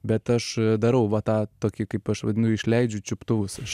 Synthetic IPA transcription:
bʲɛt̪ɐʃd̪ɐɾɐʊʋɐt̪ɑːt̪oːkʲɪkɐɪpɐʃʋɐdʲɪnɐʊɪʃʲlʲɛɪd͡ʒʲʊt͡ʃʲʊpt̪ʊʋʊsɐʃ

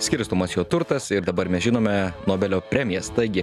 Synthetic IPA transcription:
sʲkʲɪɾst̪omɐsjoːt̪ʊɾt̪ɐsɪɾd̪ɐbɐɾmʲɛsʒʲɪnoːmʲɛnoːbʲɛlʲoːpʲɾʲɛmʲɪjɛst̪ɐɪɡʲɪ

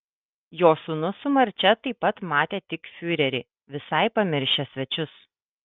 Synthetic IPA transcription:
joːsʊnʊsʊmɐɾʲt͡ʃʲɛt̪ɐɪpːɐt̪mɑːt̪ʲeːt̪ʲɪkfʲʊɾʲɛɾʲɪ | ʋʲɪsɐɪpɐmʲɪɾʲʃʲɛsʲʋʲɛt͡ʃʲʊs

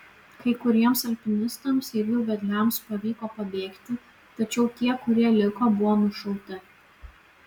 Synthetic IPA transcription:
kɐɪkʊɾʲiɛmsɐlʲpʲɪnʲɪst̪ɐmsɪɾʲjuːʋʲɛd̪ʲlʲɛˑmspɐʋʲiːkoːpɐbʲeːkt̪ʲɪ | t̪ɐt͡ʃʲɛʊt̪ʲiɛkʊɾʲiɛlʲɪkoːbʊʋoːnʊʃɐlʊt̪ʲɪ

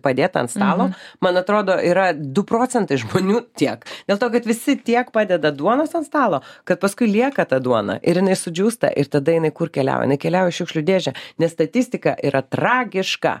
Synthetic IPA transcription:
pɐd̪ʲeːt̪ɐ̰nt̪st̪ɑːlˠoːmɐnɐt̪ɾoːd̪oːʔiːɾɐd̪ʊpɾoːt͡sʲɛnt̪ɐɪʒmoːnʲuːt̪ʲiɛkd̪̥ʲeːlˠt̪oːkɐt̪ʋʲɪsʲɪt̪ʲiɛkpɑːdʲɛd̪ɐd̪uɔnoːsɐntst̪ɑːlˠoːkɐt̪̚pɐskʊɪlʲiɛkɐt̪ɐd̪uɔnɐ̰ʔɪɾjɪnɐɪsʊd͡ʒʲuːst̪ɐ̰ʔɪɾt̪ɐd̪ɐjɪnɐɪkʊrkʲɛlʲæ̰ːwo̰jɪnɐɪkʲɛlʲæːjoɪʃʊkʃʲlʲʊd̪ʲeːʒʲɛnʲɛsst̪ɐt̪ʲisʲt̪ʲɪkɐʔiːɾʔɐt̪ɾɑːɡʲɪʃkɑ̰

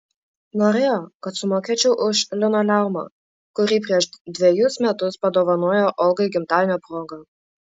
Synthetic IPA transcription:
noːɾʲeːjoːkɐt̪sʊmoːkʲeːt͡ʃʲɛʊʔʊʃlʲɪnoːlʲæˑʊmɐ̰ | kʊɾʲiːp̬ʲɾʲiɛʃd̪ʲʋʲɛjʊsmʲɛt̪ʊspɐd̪oːʋɐnoːjoːʔɔlˠɡɐɪɡʲɪmt̪ɑːʋʲɪnʲoːpɾoːɡɐ

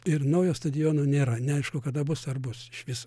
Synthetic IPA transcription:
ɪrnɐʊjoːst̪ɐd̪ʲɪjoːnoːnʲeːɾɐnʲɛɐɪʃkʊkɐd̪ɐbʊsɐrbʊsɪʃʋʲɪso̥

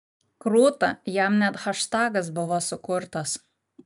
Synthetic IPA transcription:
kɾuːt̪ɐjɛmnʲɛt̪xɐʃt̪ɑːɡɐsbʊʋosʊkʊɾt̪ɐs

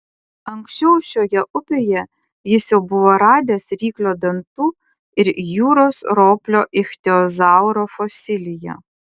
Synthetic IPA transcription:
ɐŋksʲt͡ʃʲɛʊʃʲoːjɛʔʊpʲejɛ | jɪsjɛʊbʊʋoːɾɑːd̪ʲeːsɾʲiːklʲoːd̪ɐnt̪uː | ɪɾjuːɾoːsɾoːpʲlʲoːʔɪxʲt̪ʲɛɔzɑˑʊɾoːfɔsʲɪlʲɪjɛ̰

